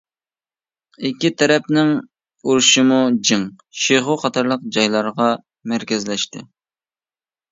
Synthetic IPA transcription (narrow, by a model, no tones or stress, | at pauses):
ɪkʲʰːit̪ʰɛɾɛpnɪŋ | uɾuʃɨmud͡ʒɪŋ | ʃeχʊqʰɑt̪ʰɑɾlˠəq̚d͡ʒɑjlˠɑɾʁɑ | mæɾkʲɪzlɛʃt̪ɪ̰